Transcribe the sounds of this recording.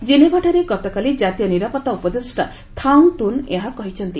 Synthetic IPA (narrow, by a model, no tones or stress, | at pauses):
d͡ʒinebʱaʈʰaɾeɡɔt̪ɔkalid͡ʒat̪ijɔniɾapɔt̪aupɔd̪esʈa | t̪ʰaŋt̪unḛɦakɔɦit͡ʃʰɔnt̪i